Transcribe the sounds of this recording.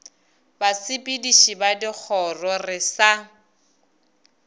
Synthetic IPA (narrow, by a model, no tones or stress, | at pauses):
basɪpʼidiʃibadɪk͡xʰɔrɔrɪsa